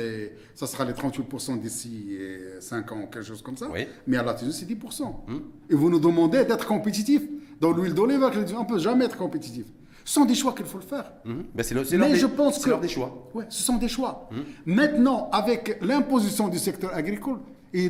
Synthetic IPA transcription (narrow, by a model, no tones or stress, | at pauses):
ɛ | sasəʁalet̪ʁɑ̃t̪wipʊʁsɑ̃d̪isisɛ̃kɑ̃ukɛlkəʃoz̥kɔmsawḭmɛalat̪ezĩsɛd̪ipʊʁsɑ̃ | evunud̪əmɑ̃d̪ed̪ɛt̪χə̥kɔ̃pet̪̬it̪ifd̪ɑ̃lwild̪olivɛʁkld̪iɔ̃pøʒamɛɛt̪χəkɔ̃pet̪it̪if | sə̥sɔ̃d̪eʃwakilfoləfɛːʁ | bɛsɛmɛʒəpɑ̃skəd̪eʃwawisəsɔ̃d̪eʃwamɛ̃t̪nɑ̃avɛklɛ̃pozisjɔ̃d̪ysɛkt̪œʁaɡʁikɔl | i